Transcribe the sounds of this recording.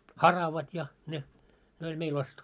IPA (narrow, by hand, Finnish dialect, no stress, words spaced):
hɑrɑʋɑt jɑ ne ne olʲ meil ostetːu